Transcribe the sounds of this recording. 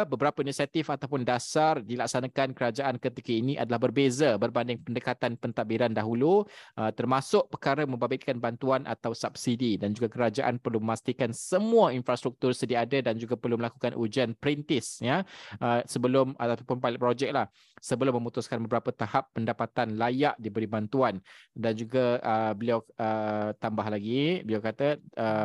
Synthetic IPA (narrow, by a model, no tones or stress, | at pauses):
bəbəɾapəinisiat̪ɪfat̪awpʊndasardilak̚sanakankəɾad͡ʒaʔankət̪ikəinĩʔa̰dalahbərbezəbərbandɪŋpəndəkat̪anpənt̪abiɾandaɦuluʔət̪ərmãsʊʔpərkaɾəmə̃mbabɪtkanbant̪uanʔa̰t̪awsap̚sididand͡ʒuɡakəɾad͡ʒaʔa̰npərluməmast̪ikansəmuainfɾast̪ɾuk̚t̪ʊrsədiaadədand͡ʒuɡapərluməlakukanʔud͡ʒianpəɾint̪ɪsjaʔəsəbəlʊmat̪aapʊnpalɪʔpɾod͡ʒɛk̚lah | səbəlʊmːə̃mut̪uskanbəbəɾapət̪ahapːəndapat̪anlajaʔdibəɾibant̪uandand͡ʒuɡaəbəliawət̪ambaɦlaɡibəliawkat̪əə